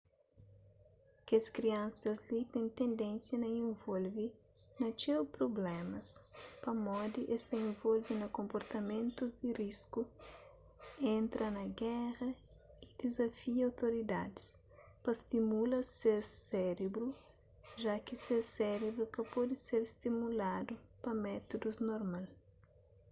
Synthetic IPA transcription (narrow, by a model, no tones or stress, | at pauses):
kɐskɾiɐ̃nsɐzlit̪ẽñt̪ẽnd̪ẽnsjɐnɐiẽɱvolvi | nɐt͡ʃewpɾoblɛmɐspɐmɔd̪iʔest̪ɐẽnvolvinɐkõmpoɾt̪ɐmẽnt̪uzd̪irisku | ẽnt̪ɾʔɐnɐɡɛʁɐ | id̪̥ezɐfiɐawt̪oɾid̪ad̪i̥s | pɐst̪imulɐseɾsɛɾebɾu | ʒakiseɾsɛɾebɾukɐpɔd̪iseɾst̪imulad̪upɐmɛt̪od̪uznoɾmal